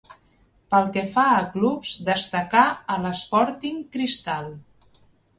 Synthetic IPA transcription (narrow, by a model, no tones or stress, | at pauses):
pəlˠkɛfaəklupz̥d̪əst̪əkaələspɔɾt̪iŋkɾist̪alˠ